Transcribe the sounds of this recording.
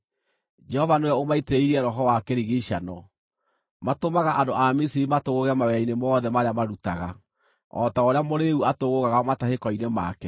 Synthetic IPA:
d͡ʒɛhɔvanewɛomaiteiɾiɛɾɔɦɔwakɛɾiɣeiʃanɔ | matomaɣaʔandoʔamisiɾimatoɣoɣɛmawɛainemɔːðɛmaɾeamaɾutaɣa | ɔ̰taoɾeamoɾeuatoɣoɣaɣamatahekɔinema̰ːkɛ

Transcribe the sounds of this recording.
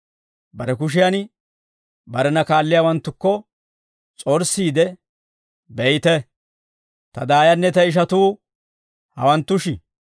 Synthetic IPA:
bɐɾɛkʊʃ̬ɪjan | bɐɾɛnɐkaːlːɪjawɐnt̪ːʊkːɔ | t͡sʼɔɾsːiːd̪ɛ | bɛjt̪ɛ | t̪ɐd̪aːjɐnːɛt̪ɐɪʃ̬ɐt̪uː | hɐ̰wɐnt̪ːʊʃɪ

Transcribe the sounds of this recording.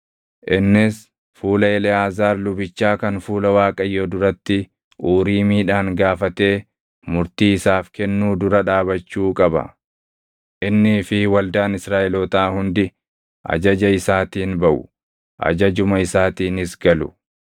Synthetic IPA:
ʔɪnːɪs | fuːlɐɛlɛaːzaːɾlʊbɪt͡ʃːaːkɐnfuːlɐwaːkʼɐjːoːd̪ʊɾɐt̪ːɪ | uːɾiːmiːᶑaːŋɡaːfɐt̪e̞ː | mʊɾt̪iːɪsaːfkɛnːuːd̪ʊɾɐᶑaːbɐt͡ʃːuːkʼɐbɐ̰ | ʔɪnːɪfɪwɐld̪aːnɪsɾaːʔɛlɔːt̪aːhʊnd̪ɪ | ʔɐ̰d͡ʒɐd͡ʒɐɪsaːt̪iːnbɐʔʊ̰ | ʔɐ̰d͡ʒɐd͡ʒʊmɐɪsaːt̪iːnɪsɡɐlʊ̰

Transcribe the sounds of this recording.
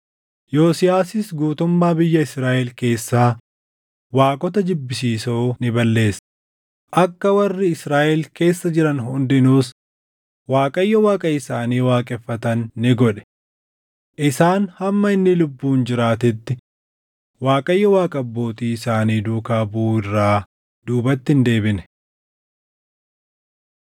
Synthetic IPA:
jo̞ːsɪjaːsɪsɡuːt̪ʊmːaːbɪjːɐɪsɾaːʔɛlke̞ːsːaː | waːkʼɔt̪ɐd͡ʒɪbːɪsiːsoːnɪbɐlːe̞ːs | ʔɐkːɐwɐrːɪɪsɾaːʔɛlke̞ːsːɐd͡ʒɪɾɐnɦʊnd̪ɪnuːs | waːkʼɐjːɔwaːkʼɐɪsaːniːwaːkʼɛfːɐt̪ɐnːɪɡɔᶑɛ̥ | ʔɪsaːnhɐmːɐɪnːɪlʊbːuːnd͡ʒɪɾaːt̪ɪt̪ːɪ | waːkʼɐjːɐwaːkʼɐbːo̞ːt̪iːɪsaːniːd̪uːkaːbuːɪrːaː | d̪uːbɐt̪ːɪnd̪e̞ːbɪnɛ̥

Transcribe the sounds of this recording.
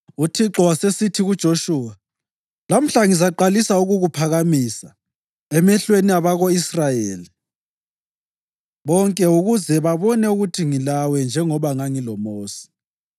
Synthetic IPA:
utʰiǁɔwasesitʰiɣud̥ʒ̥ʱoʃuːwa | lam̩ɬaŋizaǃalisauɣuɣupʰaɣamisa | ɛmɛɬweniaβaɣoisrajeːli | βɔŋkʼɛuɣuzɛβaβɔnɛuɣutʰiŋilawɛnd͡ʒʱɛŋɔβaŋaŋilɔmoːsi̥

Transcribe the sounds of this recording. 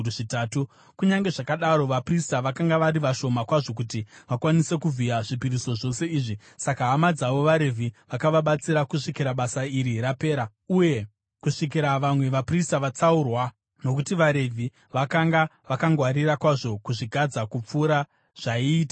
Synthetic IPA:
ʐitaːtu | kuɲaŋɡe̞ʐakaɗaɾo̞ʋapristaʋakaŋɡaʋaɾiʋaʃo̞makwaʐo̞k̬utiʋakwanise̞kuvijaʐipiɾiso̞ʐo̞se̞iːʐi | sakaːmad͡zaʋo̞ʋaɾe̞vʱiʋakaʋaɓat͡siɾakuʂikiɾaɓasaiɾiɾape̞ːɾa | uje̞ | kuʂik̬iɾaʋamwe̞ʋapristaʋat͡saurwa | no̞kutiʋaɾe̞vʱi | ʋakaŋɡaʋakaŋɡwaɾirakwaʐo̞kuʐiɡʱad͡zakup͡fuːɾa | ʐ̥aiːtḁ

